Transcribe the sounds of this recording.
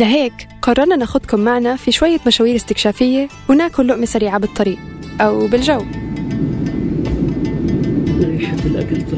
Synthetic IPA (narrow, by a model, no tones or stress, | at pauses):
laɦeːkqɑrˤːɑɾˤnanʔaxʊd̪kʊmːaʕnafiʃwajːamaʃaːwiːɾɪst̪ɪkʃaːfɪjːewɪnaːkʊlːʊʔmesaɾiːʕabɨt̪ˤːɑɾiːʔʔawbɪlʒaw | ɪd̪aɾjħad̪ːɪlʔa̰kɪlt̪